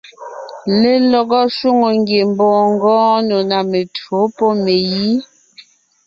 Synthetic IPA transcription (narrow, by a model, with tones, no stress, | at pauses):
le˦lɔ˨ɡɔ˦ʃu˦ŋo˨ŋɡje˨m˦bɔ̃ː˦˨ŋ˦ɡɔ̃ː˦no˨na˨me˨to˨˦pɔ˦˨me˨ji˦